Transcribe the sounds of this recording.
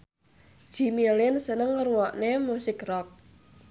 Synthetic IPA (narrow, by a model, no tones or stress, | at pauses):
ʒ̥imilɪnsənəŋːəɾuwɔʔnemusɪkrɔk̚